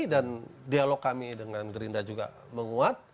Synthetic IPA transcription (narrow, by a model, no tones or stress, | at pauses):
dandialɔkːamidəŋanɡəɾind̪ad͡ʒuɡa̰ | məŋuat̪̚